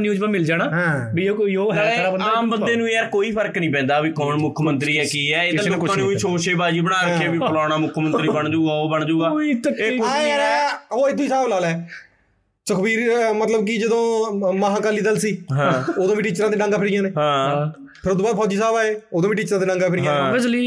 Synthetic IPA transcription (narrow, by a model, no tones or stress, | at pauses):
njuːd͡ʒʋamɪld͡ʒaːnaːɦãːbiooːɦəaːmbənd̪eːnũːəɾkoːiːpʰəɾknĩːpɛ̃ːnd̪aːbiːkɔːnmʊkʰmənt̪ɾiːɛːkiːɛːeːaaːneĩːt͡ʃʰoːʃeːbaːd͡ʒiːbəɽ̃aːɾəkːeːbiːpəlaːɽaːmʊkʰmənt̪ɾiːbəɳd͡ʒuːɡaːoːbəɳd͡ʒuːɡaːt̪eːʊɾːɦoːɪd̪ʰʱõːisaːblaːlɛː | sokʰəbiːɾmət̪ləb̚kid͡ʒəd̪õːmaɦãːkaːliːd̪əlsiːɦãoːd̪õːʋiːʈiːt͡ʃɾãːd̪eːɖãːŋɡaːpʰɪɾɪjãːneːɦãːpʰɪɾoːd̪oːbaːd̪pʰɔːd͡ʒiːsaːbaːeːoːd̪õːʋiːʈiːt͡ʃɾãːd̪eːɖãːŋɡaːpʰɪɾɪjãːbɪsliː